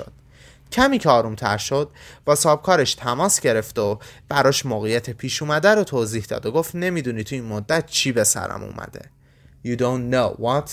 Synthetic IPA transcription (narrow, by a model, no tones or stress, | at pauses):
od̪̥̚ | cʰæmiːcʰeɒːɾumt̪ʰæ̰ɾʃod̪̥̚b̥ɒːsɒːb̚kʰɒːɾeʃt̪ʰæmɒːsɟe̞ɾe̞ft̪ob̥æɾɒːʃmoːɣijæt̪ʰepʰiːʃuːmæd̪æɾot̪ʰoːziːhd̪ɒ̰ːd̪oɡoft̪ne̞mid̪unit̪ʰuiːnmod̪ːæt̪t͡ʃʰiːbe̞sæ̰ɾæ̰mṵːmʔæ̰d̪e̞̰ | juːd̪onːowɒt̪ʰ